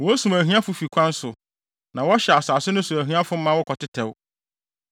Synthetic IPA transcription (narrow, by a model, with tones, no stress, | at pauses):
wɔ˦sũ˨mæ˨ɦɥ̃ã˦fʊ˨fi˨kʷʰã˦n̩˦sʊ˨ | nã˨wɔ˦ɕɛ˨a˨saː˨sɪ˦nʊ̃˦su˨æ˨ɦɥ̃ã˦fʊ˦mːã˦wɔ˦kʰɔ˨tɪ˦tʰɛ˨w